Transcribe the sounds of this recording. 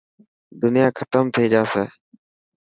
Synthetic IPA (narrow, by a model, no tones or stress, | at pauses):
d̪ʊnɪjaːkʰət̪əmt̪ʰiːd͡ʒaːseː